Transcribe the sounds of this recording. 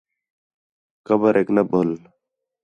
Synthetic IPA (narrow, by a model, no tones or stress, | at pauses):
kəbəɾʔeːknəboːl